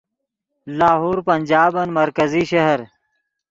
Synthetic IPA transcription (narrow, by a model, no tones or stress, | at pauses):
laːɦuːɾpɐnʲd͡ʑaːbɐnmɐɾkɐziːʃɐɦɐɾ